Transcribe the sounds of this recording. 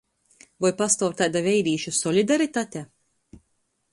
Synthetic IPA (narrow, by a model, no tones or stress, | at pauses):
vɔjpast̪ɔwɾt̪ad̪avʲɛjɾiːʃusɔlʲid̪aɾit̪aːt̪ʲɛ